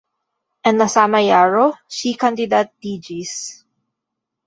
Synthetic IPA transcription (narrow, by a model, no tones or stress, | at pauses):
ʔɛnnɐsamɐjaɹoʃikand̪ɪd̪at̪̚d̪id͡ʒis